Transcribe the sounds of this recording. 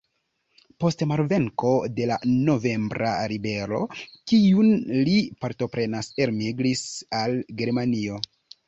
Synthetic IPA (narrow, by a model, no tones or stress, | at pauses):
po̞stmaɾve̞ŋko̞de̞lano̞ve̞mbɾa̰ɾibe̞ɾo̞̰kiunlipaɾto̞pɾe̞naseɾmiɡlisalɡe̞ɾmanio̞